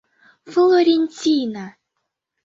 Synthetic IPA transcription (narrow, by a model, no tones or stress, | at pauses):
flˠoɾʲenʲtʲina